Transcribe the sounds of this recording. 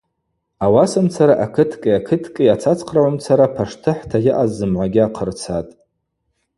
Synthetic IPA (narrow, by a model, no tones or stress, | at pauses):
awasamt͡sʰaɾaʔakʰɨtʰkʼɨjakʰɨtʰkʼɨjat͡sʰat͡sʰʼqʰraʕʷamt͡sʰaɾapʰaʂtʰɨħtʰajɪʔazːɨmʕʷaɡʲɪaqʰərt͡sʰatʼ